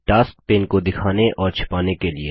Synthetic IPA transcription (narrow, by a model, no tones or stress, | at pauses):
ʈaːskpeːnkod̪ɪkʰaːneʔɔːɾt͡ʃʰɐ̥paːnekelie